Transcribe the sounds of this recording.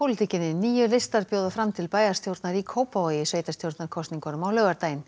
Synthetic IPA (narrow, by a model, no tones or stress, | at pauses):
pʰowlɪt̪icɪnɪniːjʏlest̪aɾpjowðafɾamt̪ʰɪlpaːjast̪ʰjowɾt̪naɾikʰoːwpavajɪsveːjt̪ast̪jowɾt̪naɾkʰɔst̪niŋkɔnʏmawlœːɣaɾt̪aːjɪn